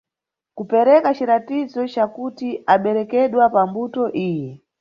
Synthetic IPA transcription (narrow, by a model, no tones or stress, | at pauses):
kupɛɾɛkat͡ʃiɾatizɔt͡ʃakutiʔaɓɛɾɛkɛɗwapambutɔʔiːjɛ